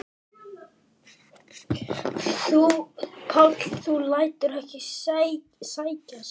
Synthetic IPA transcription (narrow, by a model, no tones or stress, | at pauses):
θupʰat̪θulaːjt̪ʏɾɛhcɪs | saːjcas